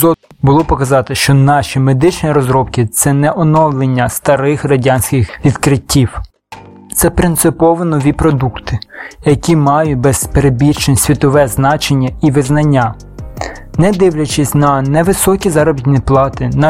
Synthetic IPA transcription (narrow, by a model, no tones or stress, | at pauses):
ɔ | bʊlˠɔpɔkɐzɑt̪ɪʃt͡ʃɔnɑʃʲimed̪ɪt͡ʃnʲiɾɔzɾɔpkɪt̪sɛnɛʔɔnɔwlˠenʲːɐst̪ɐɾɪxrɐdʲanʲsʲkʲɪxʋʲid̪kɾɪtʲːiw | t̪sɛpɾɪnt̪sɪpɔʋɪnɔʋʲipɾɔd̪ukt̪ɪjɐkʲimɑjʊt̚ʲbɛzpeɾebʲirt͡ʃnʲsʲʋʲit̪ɔʋɛznɑt͡ʃenʲːɐiʋɪznɐnʲːa | nɛd̪ɪwlʲɐt͡ʃɪsʲnɐnɛʋɪsɔkʲizɑɾɔbʲit̪ʲnʲiplˠɑt̪ɪn